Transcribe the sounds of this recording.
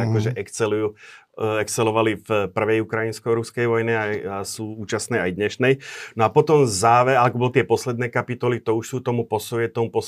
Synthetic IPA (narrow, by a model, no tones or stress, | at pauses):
akɔʒɛʔɛkt͡sɛluju | ɛkt͡sɛlɔʋalifpr̩ʋɛjukɾainskɔɾuskɛjʋɔjniaasuːuːt͡ʃasnɛːajd̪ɲɛʃnɛjnɔapɔt̪ɔmzaːʋɛalɛkɔbɔlɔt̪ɪɛpɔslɛd̪nɛːkapit̪ɔlit̪ɔuʃsuːt̪ɔmupɔsuɛt̪ɔmupɔs